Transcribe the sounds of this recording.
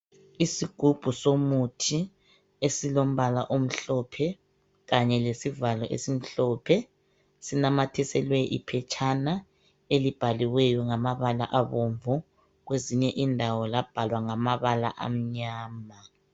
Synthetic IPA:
isiɡ̥ʱub̥ʱusomutʰi | esilom̩βalaʔom̩ɬɔpʰɛ | ɣaɲɛlesivalɔʔḛsim̩ɬɔpʰɛ | sinamatʰɛsɛlwɛʔipʰɛt͡ʃʰʼana | elib̥ʱaliwɛjɔŋamaβala̰ʔaβoɱvɔ | ɣweziɲɛʔindʱawɔlab̥ʱalwaŋamaβala̰ʔa̰m̩ɲaːma

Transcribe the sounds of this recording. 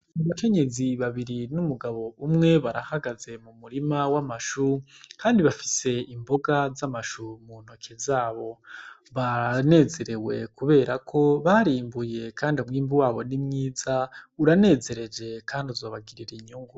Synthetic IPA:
uβake̞ɲe̞ziβaβiɾinumuɡaβo̞umŋe̞βaɾahaɡaze̞mumuɾimawamaʃukʰaːndiβafi̥se̞imbo̞ɡazamaʃumuno̞kʰezaːβo̞βane̞ze̞ɾe̞we̞kuβe̞ːɾakʰo̞βaɾiːmbuje̞kʰaːndiumŋiːmbuwaːβo̞nimŋiːzauɾane̞ːze̞ɾe̞d͡ʒe̞kʰaːndiuzoːβaɡiɾiɾeɲuːŋɡu

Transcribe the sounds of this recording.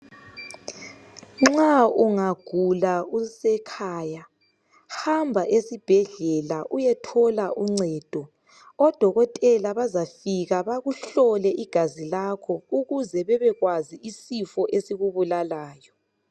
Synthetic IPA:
ŋ͡ǁauŋaɡ̥ʱulausɛkʰaːja | hambʱaʔesib̥ʱɛɮɛlaʔujɛtʰɔlaʔuŋ͡ǀɛd̥ʱɔ | ɔd̥ʱɔɣɔtʼɛlaβazafiɣaβaɣuɬɔlɛʔiɡ̥ʱazilakʰɔuɣuzɛβɛβɛɣwaziisifɔʔesiɣuβulalaːjɔ

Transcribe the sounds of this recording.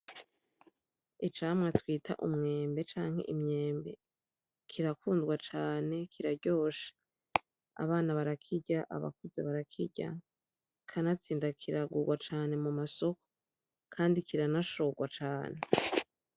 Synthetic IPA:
it͡ʃaːmŋatwiːtʰa̰ʔumŋe̞ːmbe̞t͡ʃaːŋhe̞̰ʔimɲe̞ːmbe̞ | kʰiɾakuːndɡwat͡ʃaːne̞kʰiɾaɾɟo̞ːʃḁ | a̰βaːnaβaɾakʰiɟaʔa̰βa̰kuze̞βaɾakʰiɟa̰ | kʰanat͡siːndakʰiɾaɡuɡwat͡ʃaːne̞mumaso̞ko̥ | kʰaːndikiɾanaʃo̞ɡwat͡ʃaːne̞

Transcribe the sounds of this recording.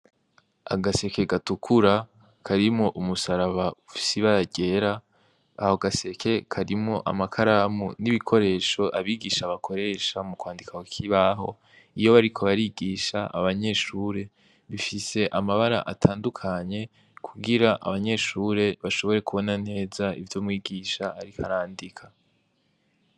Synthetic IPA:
a̰ɡase̞ke̞ɡatukʰuɾa | kʰaɾimŋo̞ʔumusaɾaβaufi̥siβaɾaɟe̞ɾaː | ho̞ɡase̞kʰe̞kʰaɾimŋo̞ʔa̰makʰaɾamuniβikʰo̞ɾe̞ːʃo̞ʔaβiːɡiːʃaβakʰo̞ɾe̞ʃamukwaːndikaokʰiβaɦo̞ | ijo̞βaɾikʰo̞βaɾiɡiːʃaʔa̰βaɲe̞ʃuɾe̞ | βifise̞ʔamaβaɾa̰ʔatʰaːndukʰaɲe̞ | kʰuɡiɾaʔa̰βaɲe̞ʃuɾe̞βaʃo̞βo̞ɾe̞kuβo̞nan̥e̞ːzaḭvjoːmŋwiːɡiːʃaaɾikaɾaːndikʰa

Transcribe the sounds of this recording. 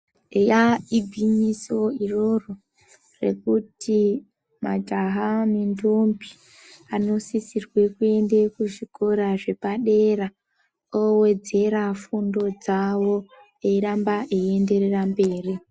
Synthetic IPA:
jaibʱimiso̞iro̞ro̞ | re̞̰kuti | ma̰d͡ʒaɦamindombi | ano̞sisirwe̞kue̞ndekuʐiko̞ɾaʐe̞paɗe̞ɾa | owe̞d͡ze̞ɾafundo̞d͡zawo̞ | eiɾambaʔee̞nde̞ɾerambe̞ːri

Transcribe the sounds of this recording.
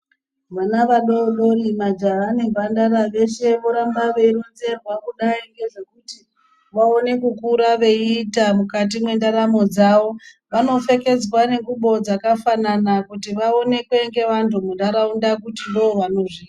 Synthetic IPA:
ʋanaʋaɗoɗo̞rimad͡ʒaane̞bandaɾaʋe̞ʃe̞ʋo̞ɾambaʋe̞iɾonze̞rwakuɗaiŋɡe̞ʐe̞kuti | ʋao̞ne̞kukuɾaʋe̞iːtamukat̬imwe̞ndaɾamo̞d͡zaʋo̞ | ʋano̞fe̞ke̞d͡zwane̞ɡuɓo̞d͡zakafananakutiʋao̞ne̞kwe̞ŋɡe̞ʋantʰumundaɾaundakutindo̞oʋano̞ʐiːta

